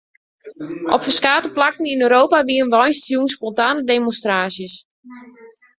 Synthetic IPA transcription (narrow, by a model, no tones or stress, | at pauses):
ʔɔpfərskaːtəplakən̩inøːɾoːwpaʋiəənʋɔjnstjunspɔntaːnədemonstraːsjəs